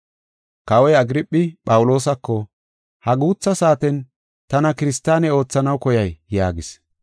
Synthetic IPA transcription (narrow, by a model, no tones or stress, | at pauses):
kɐwɔjɐɡɾɪpʼːɪpɐwʊlo̞ːsɐkːɔ | hɐɡuːt͡sːɐsaːt̪ɛn | t̪ɐnɐkɪɾɪst̪ːaːnɛo̞ːt͡sːɐnɐwkɔjɐjjaːɡɪs